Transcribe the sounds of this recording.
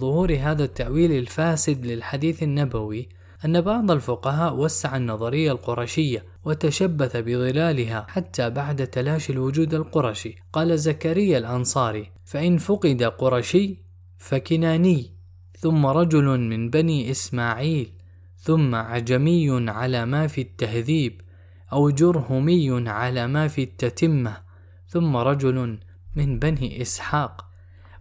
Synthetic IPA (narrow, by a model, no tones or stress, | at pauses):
ðˤʊhuːɾɦaːðat̪ːaʔwiːlalfaːsɪd̪lɪlħad̪iːθanːabawi | ʔanːabɑʕd̪ˤalfʊqɑɦaːʔwasːaʕanːɑðˤɑɾɪjːalqʊɾˤɑʃɪjːa | wat̪aʃabːaθabɪðˤɨlaːlɪɦaħat̪ːabaʕd̪at̪alaːʃalwʊd͡ʒuːd̪alqʊɾˤɑʃiqɑːlazːakaɾɪjːalʔɑnsˤɑːɾi | faʔɪnfʊqɪd̪aqʊɾˤɑʃɪː | fakɪnaːnɪː | θʊmːaɾˤɑd͡ʒʊlmɪnbaniːʔɪsmaːʕiːl | θʊmːaʕad͡ʒamɪjːʊnʕalaːmaːfiːt̪ːahðiːb | ʔawd͡ʒʊɾˤhʊmɪjːʊnʕalamafiːt̪ːat̪ɪmːa | θʊmːaɾˤɑd͡ʒʊl | mɪnbaniʔɪsħaːq